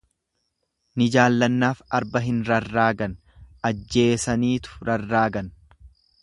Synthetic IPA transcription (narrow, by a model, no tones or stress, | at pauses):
nɪd͡ʒaːlːɐnːaːfɐɾbɐɦɪnɾɐrːaːɡɐn | ʔɐd͡ʒːe̞ːsɐniːt̪ʊ̥ɾɐrːaːɡɐn